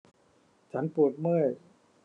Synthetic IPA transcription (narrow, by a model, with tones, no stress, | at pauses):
t͡ɕʰa˦˥npu˨˩ət̪̚mɯ˥˩j